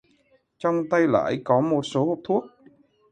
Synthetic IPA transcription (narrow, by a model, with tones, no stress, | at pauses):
t͡ɕɔ˧wŋ͡mt̪a˧jla̰ː˧˨jkɔ˨˦mo˨˩t̚so˨˦ho˨˩p̚t̪ʰu˦˥ək̚